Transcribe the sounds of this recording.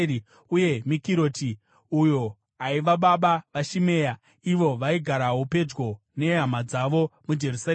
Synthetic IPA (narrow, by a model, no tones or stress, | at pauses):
uje̞mikiɾo̞ːti | ujo̞ | aiʋaɓaɓaʋaʃime̞ːja | iʋo̞ʋaiɡʱaɾaɦupe̞d͡ʒɡo̞ | ne̞ɦamad͡zaʋo̞mud͡ʒe̞rusa